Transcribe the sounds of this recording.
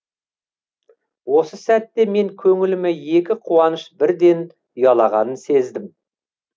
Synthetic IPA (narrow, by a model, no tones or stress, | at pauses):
wo̞səsæt̪ːe̞me̞ŋkʲʰɵŋɪlɪmɪje̞kʲɪqʰuwɑnəʃbɪɾd̪e̞n | ʊjɑlˠɑʁɑ̰nənse̞zd̪ɪm